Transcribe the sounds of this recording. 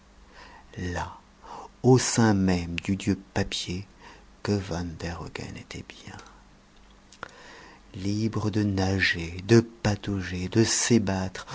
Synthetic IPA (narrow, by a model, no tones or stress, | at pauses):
la | osɛ̃mɛmd̪yd̪jøpapje | kəvɑ̃nd̪ɛʁɔɡɛ̰net̪ʰɛbjɛ̰̃ | libʁəd̪ənaʒed̪əpat̪ɔʒed̪əsebat̪χ